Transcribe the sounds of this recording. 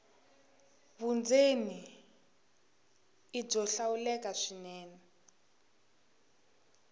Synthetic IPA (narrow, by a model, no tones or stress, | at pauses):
βund͡zeni | ib͡ʐɔɬawulɛkaʂinɛːnɛ